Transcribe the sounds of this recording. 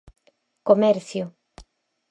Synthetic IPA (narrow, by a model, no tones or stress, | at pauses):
komɛɾθjo